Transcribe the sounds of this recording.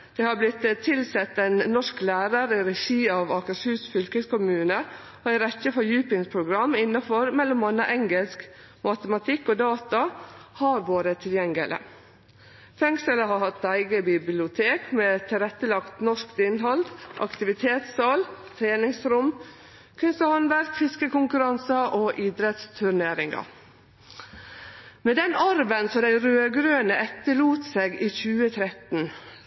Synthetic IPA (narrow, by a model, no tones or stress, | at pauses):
d̪̥eːhɑblɪt̪ːt̪ʰːɪlsɛt̪ːɛɪnnɔʂklæːɾəɾɪɾɛʃiːɑːʋɑːkəʂhʉːsfʏlkəskʊmʉːnə | oːɪɾɛtːəfɔjʉːpɪŋpʰɾʊɡɾɑmːɪnːɑfɔɾmɛlːɔmɑnə̰ʔɛŋɡəlsk | mɑt̪əmɑt̪ʰɪkːoːd̪ɑːt̪ɑhɑːɾʋoːɾət̪ʰɪljɛŋɡələ̰ | fɛŋsələhɑhɑt̪ːæɪɡəbɪblɪʊt̪ʰeːkmeːt̪ʰɪlɾɛt̪ːəlɑkt̪nɔʂkd̪ɪnɦɑld̪ʔɑkt̪ɪʋɪt̪ʰeːt̪sɑlt̪ʰɾeːnɪŋsɾʊm | kʰʏnst̪əhɑnʋæɾkfɪskəkʊŋkʉɾɑnsɑʔoːʔiːd̪ɾɛt̪st̪ʰʉɾɳeːɾɪŋɡɑ̰ | meːd̪ɛnɑɾʋənsɔd̪æɪɾøːɡɾøːnəʔɛt̪ːəluːt̪seːɡiːçʉːət̪ʰɾɛt̪n̩